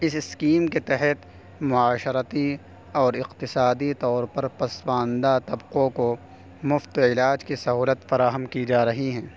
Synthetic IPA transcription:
ɪsɪskiːmket̪ɛɦɛt̪ | mʊaːʃəɾət̪i | ɔːɾɪqt̪ɪsaːd̪it̪ɔːɾpɐɾpɐswãːnd̪at̪ɐbqõko | mʊft̪ɪlaːd͡ʒkisɐɦuːlət̪fɐɾaːɦəmkid͡ʒaːɾɐɦiɦɛ̃ː

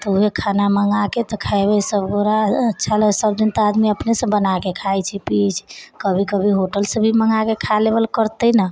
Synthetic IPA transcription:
t̪ɔuɦekʰanaməŋaket̪ɔkʰaebɛsəbɡoɾaətːʃʰaləsəbd̪int̪ad̪miəpnesə̃bənakekʰajt͡ʃʰipit͡ʃʰkəbʱikəbʱiɦoʈəlsə̃bʱiməŋɡakekʰalebəlkəɾt̪əna

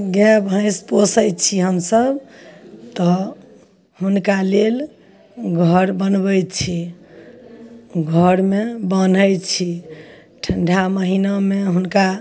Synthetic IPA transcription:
ɡɛbʱãɪ̃sposəjt͡ʃʰiɦəmsəb | t̪ɔ | hunkalel | ɡʱəɾbənbəjt͡ʃʰi | ɡʱəɾmebən̤əjt͡ʃʰi | ʈʰəɳɖʱaməɦinameɦunka

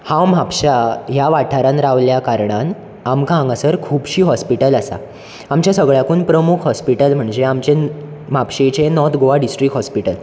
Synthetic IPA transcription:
ham̤apɕajaʋaʈʰaɾãnɾaʋljakaɾɳan | amkaãŋɡasəɾkʰuːbɕiːɦɔspiʈəlasa̰ | amt͡ɕjasəɡɭjakuːnpɾəmukʰɦɔspiʈəlm̤əɳd͡zeamt͡ɕem̤apɕet͡ɕenɔt̪ʰɡoʋaɖisʈɾikɦɔspiʈəl

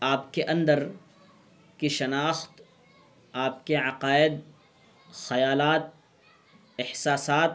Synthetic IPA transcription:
aːpkeʔɐ̃nd̪əɾ | kiʃɐnaːxt̪ | aːpkeʕɐqaːɪd̪̚ | xɐjaːlaːt̪̚ | ɪhsaːsaːt̪̚

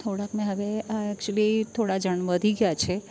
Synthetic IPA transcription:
t̪ʰoɽakmẽɦəʋeaɛk̚t͡ʃuəlit̪ʰoɽad͡ʒəɳʋəd̪ʱiɡjat͡ʃʰe

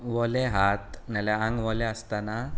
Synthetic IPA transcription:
ʋɔleɦat̪nɛlɛãŋɡʋɔleəst̪ana

